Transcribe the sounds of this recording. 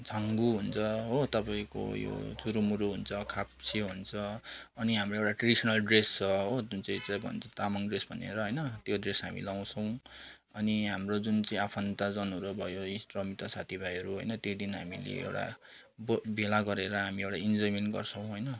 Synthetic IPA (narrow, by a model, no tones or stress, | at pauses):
d͡zʱʌŋɡuɦunt͡sʰʌɦot̪ʌpaĩko̰jo̰t͡suɾumuɾuɦunt͡sʰʌkʰap̚seɦunt͡sʰʌʌniɦamroewʈaʈrʌɽisʌnʌlɖrest͡sʌod͡zunt͡sãĩt͡sabʱʌ̰nt͡sʰʌt̪amaŋɖresbʱʌnḛɾʌɦʌjnʌt̪joɖresɦamḭlaw̃t͡sʰʌw̃ | ʌniɦamrod͡zunt͡saĩapʰʌnt̪ad͡zʌnuɾobʱʌjoisʈrʌmit̪asat̪ʰibʱajɦʌɾuɦo̰jnʌt̪jod̪inɦa̰mḭlḛḛwʈa̰ | bbelaɡʌɾeɾʌɦamiewʈaind͡zʌjmenɡʌ̰rt͡sʰʌ̃w̃ɦʌjnʌ